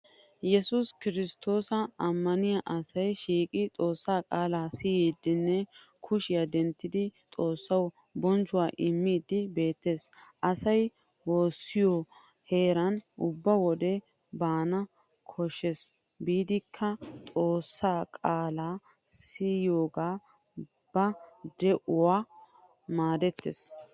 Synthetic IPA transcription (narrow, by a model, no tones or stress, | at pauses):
jɛsʊskɪɾɪst̪o̞ːsɐɐmːɐnɪjɐʔɐsɐjʃiːkʼɪt̪ʼo̞ːsːaːkʼaːlaːsijiːd̪ɪnːɛ | kʰʊʃɪjad̪ɛnt̪ːɪd̪ɪt̪ʼo̞ːsːɐw | bɔnt͡ʃːʊwaːʔɪmːiːd̪ɪbe̞ːt̪ːeːsʔɐsɐj | wo̞ːsːɪjɔ | he̞ːɾɐnʔʊbːɐwɔd̪ɛ | baːnɐ | kʰɔʃːɛs | biːd̪ɪkʰːɐt̪ʼo̞ːsːaːkʼaːlaː | siːjoːɡaː | b̥ɐd̪ɛʔʊwaː | maːd̪ɛt̪ːḛːs